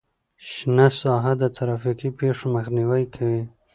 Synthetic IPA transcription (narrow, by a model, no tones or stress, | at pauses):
ʃnasɑɦad̪ət̪ʰaɾɑfikipeʂomaxniwajkʰawi